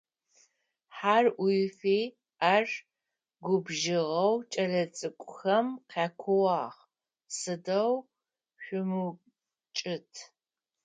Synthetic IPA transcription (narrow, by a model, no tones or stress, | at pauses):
ħarʔʊjfiː | ar | ɡʷʊbʒɪʁɐwt͡ʃʼɐɮɐt͡sʼɨkʷʼʊxɐmqʰaːkʷʰʊwɑːʁ | sɨdɐw | ɕʷʊmu | t͡ʃʼɪtʰ